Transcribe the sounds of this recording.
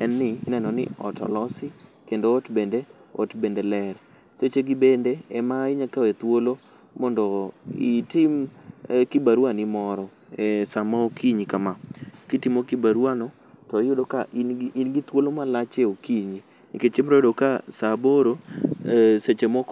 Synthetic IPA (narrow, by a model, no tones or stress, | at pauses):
ɛnːɪnɛnɔnɪ̰ɔ̰tʰɔ̰lɔsɪkendotbendeo̰tbendelɛɾ | set͡ʃeɡɪbendeɛmaɪɲakawet̪wolo | mɔndɔitɪmkibaɾwanɪmɔɾɔ | esamaokiɲikamakitimokibaɾwanɔ | tɔjʊdokainɡit̪wolomalat͡ʃeokiɲi | niket͡ʃɪmɾɔʊdokasaboɾo | set͡ʃemɔk